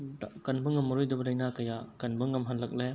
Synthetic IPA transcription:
dkɐnbɯŋɐmːɐɾɔjdɐbɐlɐjnakɐjakɐnbɯŋɐmɦanlɐk̚le

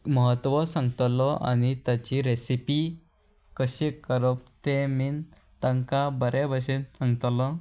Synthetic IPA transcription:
məɦət̪ʋɔsãŋɡt̪lɔa̰ñit̪jat͡ɕiɾesipi | kəɕekəɾop̚t̪emiːn | t̪əŋkabəɾebʱəɕensãŋɡt̪lɔ

